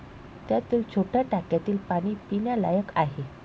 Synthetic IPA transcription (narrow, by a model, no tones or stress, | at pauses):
t̪jat̪iːlt͡ɕʰoʈjaʈakjat̪iːlpaɽ̃iːpinjalajəkaɦe